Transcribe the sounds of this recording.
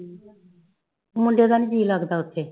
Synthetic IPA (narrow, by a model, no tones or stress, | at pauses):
mʊɳɖeːd̪aːnid͡ʒiːlaɡd̪aːʊt̪ʰːeː